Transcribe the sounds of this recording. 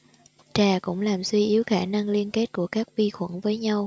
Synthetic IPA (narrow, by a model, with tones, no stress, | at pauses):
t͡ɕaː˨˩kʊ̰˧˥ŋ͡mlaː˨˩mswi˧ʔi˨˦əwxaː˧˩na˧ŋli˧ənke˦˥t̚ku˧˩əkaː˦˥k̚vi˧xwə̰˧˥nvəː˨˦jɲa˧w